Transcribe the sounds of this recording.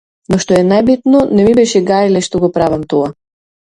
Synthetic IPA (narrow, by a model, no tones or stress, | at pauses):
nɔʃt̪ɔɛnajbit̪nɔnɛmibɛʃɛɡaɾilɛʃt̪ɔɡɔpɾavamt̪ɔa